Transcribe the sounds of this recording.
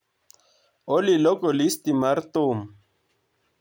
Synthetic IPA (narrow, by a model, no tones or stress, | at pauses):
olilokolist̪imaɾt̪om